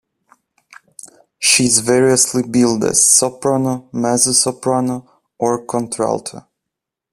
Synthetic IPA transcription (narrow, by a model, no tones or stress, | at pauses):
ʃizvɛɹiəslibilˠdæ̰z̥sɔpɹanomæzəsɔpɹano | ʔɔɹkʰɔ̃ntʰɹa̰lˠtʰə̰